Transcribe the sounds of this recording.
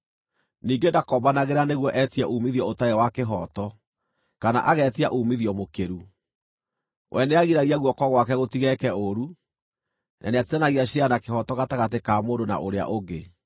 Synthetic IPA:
niːŋɡendakɔbanaɣeɾaneɣwɔʔɛtiaʔuːmiðjɔotaewakeɦɔtɔ | kana̰ʔaɣɛtiaʔuːmiðiɔmokeɾu | wʔɛ̰neaɣiɾaɣiaɣwɔkɔɣwakɛɣotiɣɛkɛoɾu | nʔa̰neatianaɣiaɕianakeɦɔtɔɣataɣatekaːmoːndona̰ʔoɾea̰ʔoɡe

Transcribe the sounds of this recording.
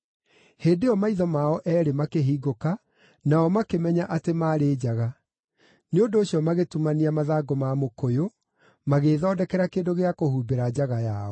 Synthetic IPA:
heːndeɔmaiðɔmaɔʔɛɾemakeɦiːɡoka | naɔmakemɛɲaʔatemaːɾeːd͡ʑaɣa | neondoːɕjɔmaɣetumaniamaðaːɡɔmamokojo | maɣeːðɔːdɛkɛɾakeːndoɣeakohuːbeɾad͡ʑaɣajaɔ

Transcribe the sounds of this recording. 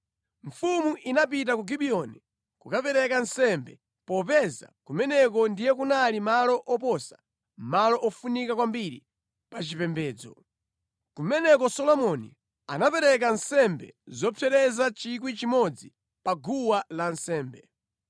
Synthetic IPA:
ɱfumuʔinap̬it̬akuɡiɓiɔni | kukapɛɾɛkansɛmbɛ | pɔpɛza̰kumɛnɛk̬ɔndijɛk̬unalimalɔʔɔpɔsḁ | malɔʔɔfunikakwambiɾḭ | pat͡ʃipɛmbɛːd͡zɔ | kumɛnɛkɔsɔlɔmɔnḭ | anapɛɾɛk̬ansɛmbɛ̰zɔpʰɛɾɛzat͡ʃik̬wit͡ʃimɔd͡zi | paɡuwalansɛːmbɛ

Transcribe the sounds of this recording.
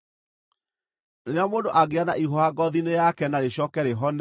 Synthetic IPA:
nneamoːndoʔaɡeanaʔihoaɡɔðinejakɛnaɾeɕɔkɛɾeɦɔn

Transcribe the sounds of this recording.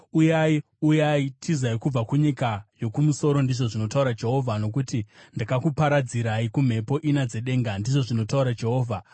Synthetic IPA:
ujai | ujaitʰizaikub͡vakuɲikajo̞kumuso̞ɾo̞ndiʐo̞ʐino̞tauɾad͡ʒe̞ɦo̞vʱano̞kutindakakupaɾad͡ziɾaikum̤e̞po̞ʔinad͡ze̞ɗe̞ːŋɡandiʐo̞ʐino̞tauɾad͡ʒe̞ɦo̞ːvʱa

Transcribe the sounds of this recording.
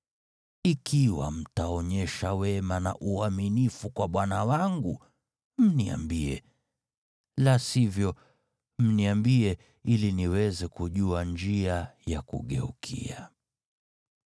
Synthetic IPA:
ikʰiwa̰m̩taɔɲɛʃawɛmana̰ʔuaminifukwaɓwanawaŋɡu | m̩nia̰mbiɛ̰ | lasivjɔ | m̩niambiɛ | iliniwɛzɛkuʄuaɲd͡ʒiajakṵɠɛ̰ukʰḭa

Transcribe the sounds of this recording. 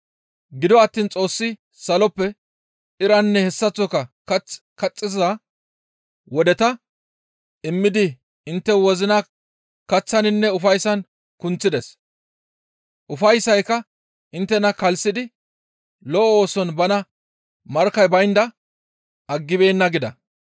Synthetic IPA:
ɡɪd̪ɔɐt̪ːiːnt͡sʼo̞ːsːɪ | sɐlɔpːɛ | ɪɾɐnːɛhɛsːɐt͡sːɔkɐkɐt͡s | kɐt͡sʼːɪzzɐ | wɔd̪ɛt̪ɐ | ɪmːɪd̪ɪ | ɪnt̪ːɛwɔzɪnɐ | kɐt͡sːɐnɪnːɛʊfɐjsɐn | kʊnt͡sːɪd̪ɛs | ʔʊfɐjsɐjkːɐ | ɪnt̪ːɛnɐkɐlsɪd̪ɪ | lɔʔoːsɔnbɐnɐ | mɐɾkɐjbɐjnd̪ɐ | ɐɡːɪbeːnːɐɡɪd̪ɐ̰

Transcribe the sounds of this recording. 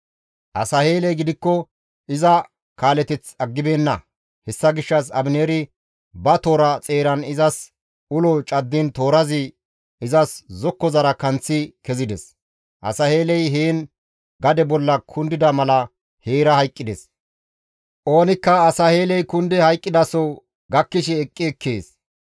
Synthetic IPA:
ʔɐ̰sɐheːlɛjɡɪd̪ɪkːɔ | ʔɪzɐ | kaːlɛt̪ɛt͡sɐɡːɪbeːnːɐ̰ | hɛsːɐɡɪʃːɐs̬ɐ̰bneːɾɪ | bɐt̪o̞ːɾɐt͡sʼe̞ːɾɐnɪzɐs | ʊlɔt͡ʃʼɐd̪ːɪnt̪o̞ːɾɐzɪ | ɪzɐszɔkːɔzɐɾɐkɐnt͡sːɪkɛzɪd̪ɛs | ʔɐ̰sɐhe̞ːlɛjɦeːn | ɡɐd̪ɛbɔlːɐkʰʊnd̪ɪd̪ɐmɐlɐ | heːɾɐhɐjkʼːɪd̪ɛs | ʔo̞ːnɪkːɐːsɐhe̞ːlɛjkʊnd̪ɛhɐjkʼːɪd̪ɐsɔ | ɡɐkːɪʃɛɛkʼːɪɛkːḛːs

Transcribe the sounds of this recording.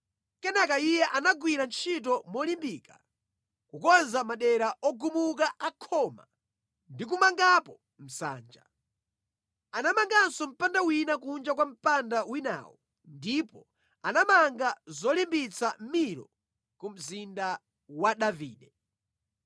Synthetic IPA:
kɛnɛkaijɛʔanaɡwiɾant͡ʃʰit̬ɔmɔlimbika | kukɔnzamaɗɛɾaɔɡumuk̬aʔakʰɔma̰ | ndik̬umaŋɡapɔ | m̩sa̰ːnd͡ʒa̰ | anamaŋɡansɔm̩pandawinakund͡ʒak̬wam̩pandawina̰ːwɔ | ndipɔ | anamaŋɡazɔlimbit͡sʰam̩miɾɔ̰ | kum̩zinda | waɗaviːɗɛ

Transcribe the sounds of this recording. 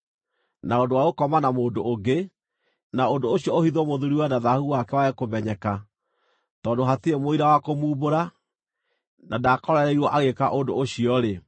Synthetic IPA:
naondowaɣokɔmanamoːndoʔːɡe | naondooɕiɔohiðwɔmoðuɾiwanaðahuwakɛwaekomɛɲɛka | tɔːndoɦatiemoiɾawakomuːboɾa | nadaːkɔɾaɾɛiɣwɔʔaɣeka̰ʔondoːɕiɔɾe

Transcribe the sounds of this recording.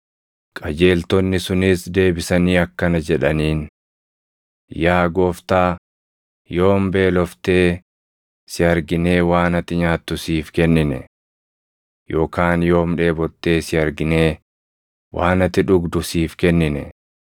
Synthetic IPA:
kʼɐd͡ʒe̞ːlt̪ɔnːɪsʊnɪsd̪e̞ːbɪsɐniːɐkːɐnɐd͡ʒɛᶑɐniːn | jaːɡo̞ːft̪aː | jo̞ːmbe̞ːlɔft̪e̞ː | sɪɐɾɡɪne̞ːwaːnɐt̪ːɪɲaːt̪ːʊsiːfkɛnːɪnɛ̰ | jʔo̞ːkaːnjo̞ːmᶑe̞ːbɔt̪ːe̞ːsɪɐɾɡɪne̞ː | wʔaːnɐt̪ːɪᶑʊɡd̪ʊsiːfkɛnːɪnɛ̰

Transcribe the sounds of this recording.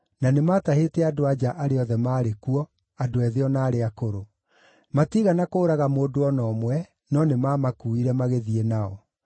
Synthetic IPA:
nanemaːtahetɛadoad͡ʒaʔaɾeɔðɛmaːɾekuɔ | adoɛðeɔnaːɾeakoɾo | matiɣanakoːɾaɣamoːdoɔnɔːmwɛ | nɔnemamakuiɾɛmaɣeðienaɔ

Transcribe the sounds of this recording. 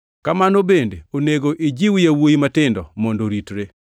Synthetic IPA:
kamanobendeoneɡoʔid͡ʒiwɪjawojimatɪndɔ̰mɔndoɾitɾe

